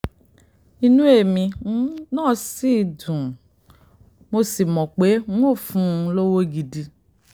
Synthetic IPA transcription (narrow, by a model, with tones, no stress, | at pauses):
i˧nũ˦e˦˨mĩ˧˦nãː˦˨si˦˨dũ˨ | mo˧si˨mɔ̃˨k͡pe˨˦ŋ˦o˦˨fũ˦˧lo˦wo˦ɡi˧di˧